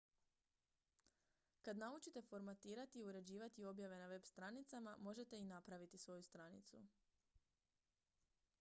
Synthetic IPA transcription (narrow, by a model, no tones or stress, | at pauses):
kad̪naut͡ʃit̪e̞fo̞ɾmat̪iːɾat̪iːuɾe̞d͡ʑiːʋat̪io̞bjaʋe̞naʋe̞bst̪ɾanit̪samamo̞ʒe̞t̪e̞inapɾaʋit̪isʋo̞just̪ɾanḭt̪sṵ